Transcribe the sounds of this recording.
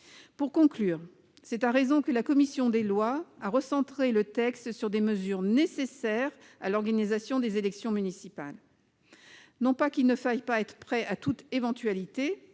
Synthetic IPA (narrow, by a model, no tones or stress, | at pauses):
puʁkɔ̃klyːʁ | sɛt̪aʁezɔ̃kəlakɔmisjɔ̃d̪elwaaʁəsɑ̃t̪χelət̪ɛkst̪syʁd̪eməzyʁnesesɛʁ | a̰lɔʁɡanizasjɔ̃d̪ezelɛksjɔ̃mynisipa̰l | nɔ̃pakilnəfajpaɛt̪χə̥pχɛat̪ut̪evɑ̃t̪ɥalit̪e